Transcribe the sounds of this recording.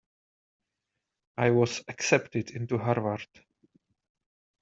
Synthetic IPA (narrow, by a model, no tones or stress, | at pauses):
ʔaɪwɔzəksɛptɪdɪ̃ntuɦaɹvaɹd̥